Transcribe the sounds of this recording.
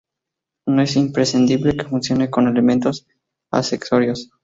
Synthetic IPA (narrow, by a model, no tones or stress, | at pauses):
noe̞simpɾe̞sind̪iβle̞ke̞funsjo̞ne̞ko̞ne̞le̞mẽnt̪o̞s | a̰seksoɾjo̞s